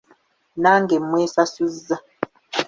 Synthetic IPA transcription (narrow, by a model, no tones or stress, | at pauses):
naŋɡemwesasuza